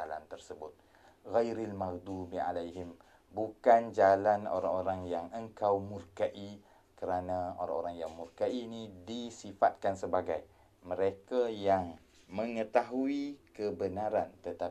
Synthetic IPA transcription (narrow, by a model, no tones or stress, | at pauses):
ala̰nt̪ərsəbʊt̪̚ | ɣajɾalmaɣd̪ubia̰lajɦɪm | bukand͡ʒalano̰ɾa̰ŋoɾaŋjaŋəŋkawmurkaʔi | kəɾanão̰ɾa̰ŋoɾaŋjaŋmurkaʔinidisifat̪̚kansəbaɡaj | mə̃ɾekajaŋ | mə̃ŋət̪aɦuikəbənãɾant̪ət̪a